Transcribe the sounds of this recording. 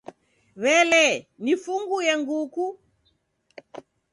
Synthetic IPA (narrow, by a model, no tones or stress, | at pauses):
βɛlɛnifuŋɡujɛŋɡuku